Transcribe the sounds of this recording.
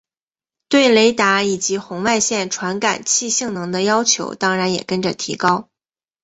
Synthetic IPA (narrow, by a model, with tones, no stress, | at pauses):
t̪we˥˩ɪle˧˥ɪt̪a˧˥i˨˩t͡ɕi˧˥xʊ˧˥ŋwa˥˧ɪɕjɛ˥˩nʈ͡ʂʰwa˧˥nka̰˨˩nt͡ɕʰi˥˧ɕi˥˩ŋnɤ˧˥ŋd̪ə˧jɑ˥ʊt͡ɕʰjo̰˧˥ʊt̪ɑ˥ŋɻa˧˥njɛ̰˨˩kə˥nʈ͡ʂə˨t̪ʰḭ˧˥kɑ˥ʊ